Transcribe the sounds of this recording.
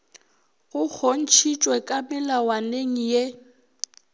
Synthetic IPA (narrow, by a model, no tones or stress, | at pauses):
ɣʊk͡xʰon̩t͡ʃʰit͡ʃʼwɛkʼamɪlawaneŋ̩je